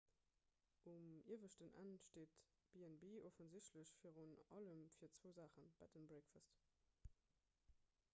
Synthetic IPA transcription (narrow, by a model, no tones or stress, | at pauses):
ʔumḭɐvəʃtənʔæ̰ntʃteːt | b̥eɛnbeːʔɔfənzɪɕtləɕfiːʁunɑ̰ləmfiːɐt͡sv̥oːzaːχənb̥aɪtənbʁɛkfast